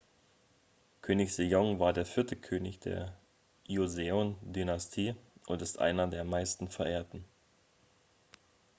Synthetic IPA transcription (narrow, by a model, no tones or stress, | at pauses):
kʰøːnɪçz̥ejɔŋvaːɐdeːɐfɪɐtʰəkʰøːnɪçd̥ḛːɐ | ʔjozeondynastʰiːʔʊntɪstʔa̰ɪnɐdeːɐmaɪstn̩fɛɐʔeːɐtn̩